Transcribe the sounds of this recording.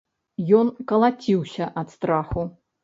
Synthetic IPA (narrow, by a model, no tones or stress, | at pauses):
jɔnkɐlˠat͡sʲiwsʲɐʔɐt̪st̪ɾaxu